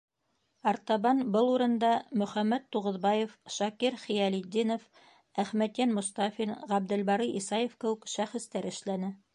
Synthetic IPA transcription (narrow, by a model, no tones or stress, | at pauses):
ɑɾt̪ɑβɑnbɤlˠuɾɤ̆nd̪ɑmɵ̆χæmːæt̪ːuʁɤ̆ðbɑjefʃɑkiɾχijælid̪ʲːinof | æχmæt̪jænmŏst̪ɑfinʁæb̚d̪ɘ̆lbɑɾiʔisɑjefkɘ̆wɘkʃæχɘ̆st̪æɾɘ̆ʃlænɘ